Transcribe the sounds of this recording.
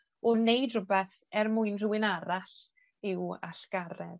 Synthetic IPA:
ɔnejdrʊbɛθ | ɛrmʊɨnrʊwɪnaɾaɬ | ɪwa̰ɬkaɾɛ̰ð

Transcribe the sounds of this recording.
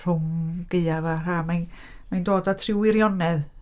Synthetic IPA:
r̥ʊmɡ̥eɨavar̥aːmajn | majndoːdatʰrɪwɪɾjɔnɛð

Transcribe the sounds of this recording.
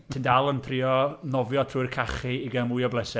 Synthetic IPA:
tʰɪndalˠənpʰriːɔnɔvjɔtʰruːɨrkʰaχiiɡəmujɔblˠɛsɛ

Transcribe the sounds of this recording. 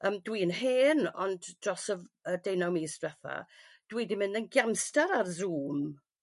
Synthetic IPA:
əːmdwiːənheːnɔnddrɔsəədejnawmiːsd̥wɛθa̰ | d̥wiːdimɪndənɡjamstaɾarzuːm

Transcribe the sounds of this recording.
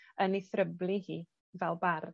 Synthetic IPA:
əniθrəblˠihiː | vɛlˠbar

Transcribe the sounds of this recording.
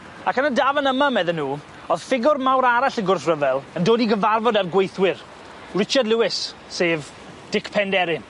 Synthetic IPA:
akənədaːvənəmamɛðənːuː | ɔð̥fɪɡʊrmawɾaɾaɬəɡʊrθrəvɛlˠəndoːdiɡəvarvɔdarɡwejθwɪr | rɪt͡ʃardlˠuwɪsː | eːv | d̥ɪkʰpʰɛndɛɾɪ

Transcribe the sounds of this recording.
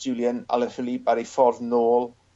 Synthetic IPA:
ulˠjəna̰lˠər̥əlibaɾejfɔrvnoːlˠ

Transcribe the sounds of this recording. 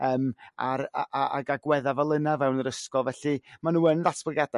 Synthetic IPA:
əːmaɾaʔaʔa̰ɡaɡwɛðavalˠənavɛwnəɾəskɔlˠvɛɬɨmanuːənðatʰbləɡada

